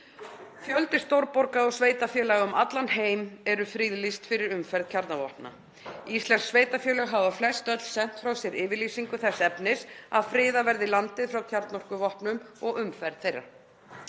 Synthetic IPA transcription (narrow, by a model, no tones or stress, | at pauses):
fjœlt̪ɪ̥st̪owɾpɔɾkaɔɣsveːjt̪afjœːlaɣʏmat̪lanheːjmɛɾʏfɾiðlist̪fɪɾɪɾʏmfɛɾðcʰaɾt̪navɔhpna̰ | ist̪lɛnsːveːjt̪afjœːlɛɣɦavaflɛst̪œt̪l̥sɛn̥t̪fɾawsjɛɾɪːvɪɾliːsiŋkʏθɛsːɛpnɪsaðfɾɪːðavɛɾðɪlant̪ɪðfɾawcʰaɾt̪nɔr̥kʏvɔhpnʏmɔɣʏmfɛɾðθejrːa̰̥